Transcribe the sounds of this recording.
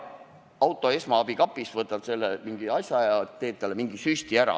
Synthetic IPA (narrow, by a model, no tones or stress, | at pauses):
ɑwt̪ˑo̞e̞smɑɑb̥ikɑpːˑisvɤt̪ːˑɑb̥se̞lːemiŋɡiɑsʲjɑjɑt̪e̞ːt̪ːælːemiŋɡisyst̪iæɾɑ̰